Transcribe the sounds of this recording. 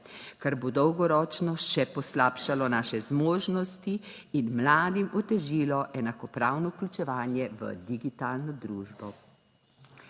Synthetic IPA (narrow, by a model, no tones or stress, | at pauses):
kaɾbod̪ɔwɡɔɾɔt͡ʃnɔʃɛpɔslaːpʃalɔnaːʃɛzmoːʒnɔst̪iː | nmlaːd̪imɔt̪ɛʒiːlɔʔɛnakɔpɾaːwnɔklʲut͡ʃɛʋaːnjɛʋə̰d̪iɡit̪aːlnɔd̪ɾuːʒbɔ